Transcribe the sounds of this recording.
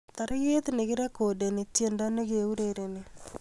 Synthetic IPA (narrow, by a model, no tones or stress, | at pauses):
t̪aɾeɣeteneɣeɾakodenetjendaneɣeuɾeɾene